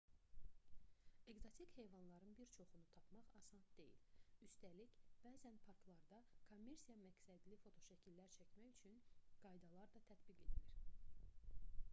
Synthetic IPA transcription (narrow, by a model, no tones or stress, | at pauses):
e̞ɡzo̞t̪ʰikhe̞jvɑnlˠɑɾɯnbiɾt͡ʃʰo̞χunut̪ʰɑpʰmɑʁɑsɑnsd̪e̞jḭlyst̪ælicb̥æːzænpʰɑɾklˠɑɾd̪ɑkʰomːe̞ɾsijɑmæcsæd̪lifo̞t̪ʰo̞ʃæcʰilːæɾt͡ʃʰæcmæçyt͡ʃʰynɡ̥ɑjd̪ɑlˠɑɾd̪ɑt̪ʰæt̪biɡe̞̰d̪iliɾ